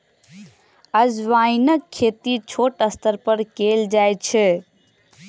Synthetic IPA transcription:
əd͡ʒʋainəkʰːet̪it͡ʃʰoːʈəst̪əɾpəɾkeld͡ʒajt͡ʃʰɛ

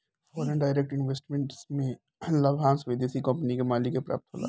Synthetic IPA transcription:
fɔːɾə̃nɖaːɪɾek̚ʈɪnʋeːsʈmẽɳʈsmẽ | lɐbɦãːnsʋeːd̪esikɐ̃mpənikemaːlikepɾa̰ːp̚t̪ʰɦo̰ːla̰ː

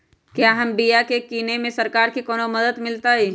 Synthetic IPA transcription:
kjaːɦɐmbijakekiːnemẽsɐɾkaːɾkikoːnomɐd̪əd̪mɪlt̪aɦɛː

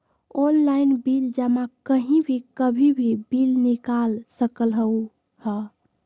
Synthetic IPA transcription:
onlaɪnbild͡ʒəmakəɦĩbʱikəbʱibʱibilnikalsəkəlɦəu | hə

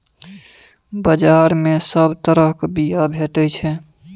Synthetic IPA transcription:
bəd͡ʒaːɾmẽsəbt̪əɾəɦkbijabʱeːʈət͡ʃʰɛ

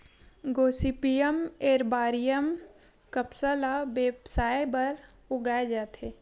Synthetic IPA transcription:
ɡoːsipijəmeːɾbaːɾijəm | kəpsəlabeːbsaːjbəɾ | ʊɡaːed͡ʒaːt̪ɦeː

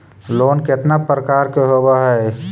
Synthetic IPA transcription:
loːnket̪napɾəkaːɾkeɦobaɦɛ

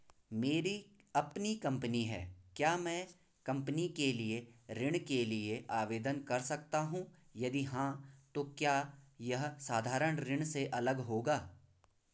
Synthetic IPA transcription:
meːɾi | ɐpnikɐ̃mpəniɦɛ̰ːkjaːmɛ̃ː | kɐ̃mpənikelieɾɪɽ̃kelieʔaːʋeːd̪ənkɐɾsɐk̚t̪aɦũːjɐd̪iɦãt̪okjaːjɐɦsaːd̪ʱaːɾəɽ̃ɾɪɽ̃seʔɐləɡɦoːɡaː

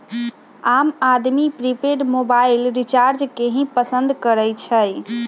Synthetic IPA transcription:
amad̪mipɾipeɖmobailɾit͡ʃaɾd͡ʒkeɦĩpəsə̃nd̪kəɾɛjt͡ʃʰəj

